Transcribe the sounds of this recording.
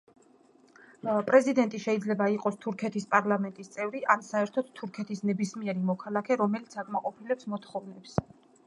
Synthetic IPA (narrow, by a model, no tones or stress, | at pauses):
pʼɾɛzid̪ɛnt̪ʼiʃɛid̪zlɛbaiqʼɔst̪ʰuɾkʰɛt̪ʰispʼaɾlˠamɛnt̪ʼist̪sʼɛvɾiʔansaɛɾt̪ʰɔd̪t̪ʰuɾkʰɛt̪ʰisnɛbismiɛɾimɔkʰalˠakʰɛɾɔmɛlit̪sʰakʼmaqʼɔpʰilɛpsmɔt̪ʰχɔvnɛps